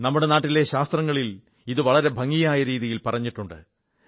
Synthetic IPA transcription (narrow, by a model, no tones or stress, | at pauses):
nɐmːuɽe̞naːʈːile̞ɕaːst̪rɐŋːɐɭil | iðɨʋɐɭɐɾe̞bʱɐŋːijaːjɐɾiːðijilpɐrɐɲːiʈːuɳɖɨ̰